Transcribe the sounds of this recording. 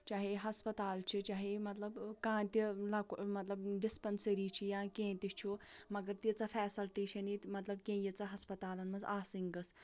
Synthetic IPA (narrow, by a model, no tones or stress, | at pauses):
t͡ʃaːɦeɦɐspɐt̪aːlt͡ʃʰit͡ʃaːɦemɐt̪lɐbkãːt̪ilɐkmɐt̪lɐbɖispɐnsɐɾiːt͡ʃʰijãːkẽːt̪it͡ʃʰumɐɡɐɾt̪it͡sɐfʰɛːsɐlʈeːʃɐnit̪mɐt̪lɐb̚kẽːjit͡sɐɦɐspɐt̪aːlɐnmɐnzaːsiŋɡɐs